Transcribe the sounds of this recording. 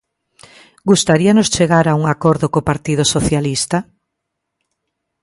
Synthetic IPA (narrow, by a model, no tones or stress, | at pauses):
ɡust̪aɾianost͡ʃeɣaɾauŋakoɾðokopaɾt̪ið̞osoθjalist̪a